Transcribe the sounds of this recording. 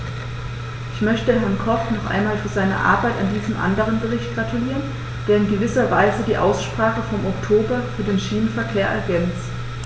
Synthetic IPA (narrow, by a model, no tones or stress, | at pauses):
ʔɪçmœçtəɦɛɐnkʰɔfnɔχʔa̰ɪnmaːlfyːɐzaɪnɐ̰ʔa̰ɐbaɪtandiːzəmʔa̰ndəʁ̞ənbəʁ̞ɪçt̚ɡ̥ʁatʰuliːʁən | d̥eːɐɪnɡəvɪsɐvaɪzədiːʔa̰ʊsʃpʁ̥aːχəfɔmɔktʰoːbɐfyːɐdeːnʃiːnənfɛɐkʰeːɐʔɛ̰ɐɡɛnt͡st